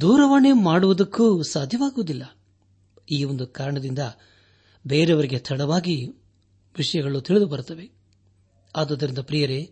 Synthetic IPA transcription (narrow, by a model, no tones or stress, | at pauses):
d̪uːɾɐʋaːnemaːɽuʋud̪ɐkːusaːd̪ʱjɐʋaːɡuʋud̪ilːɐ | iːond̪ukaːɾɐɳɐd̪ind̪ɐ | beːɾeʋɐɾiɡet̪ʰɐɽɐʋaːɡi | ʋiʂɐjɐɡɐɭut̪iɭid̪ubɐɾut̪ɐʋe̞ | aːd̪ɐːd̪ːɐɾind̪ɐpɾijɐɾe